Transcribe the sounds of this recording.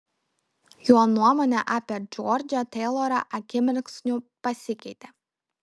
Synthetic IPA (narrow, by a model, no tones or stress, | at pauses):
juɔnuɔmoːnʲɛʔɑːpʲed͡ʒʲɔɾʲd͡ʒʲɛt̪ʲɛɪlˠɔɾɐ̰ʔɐkʲɪmʲɪɾʲksnʲʊpɐsʲɪkʲɛɪt̪ʲe